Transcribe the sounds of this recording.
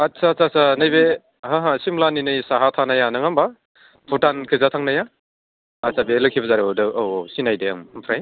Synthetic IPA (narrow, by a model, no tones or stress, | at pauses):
at̚sat͡sasanajbe | ɦãɦasimlaninɯjsaɦatʰanajanɯŋamba | pʰutankʰɯzatʰaŋnajaː | sabelɯkʰibɐzaɾodɯowsinajdeaŋmpʰɾaj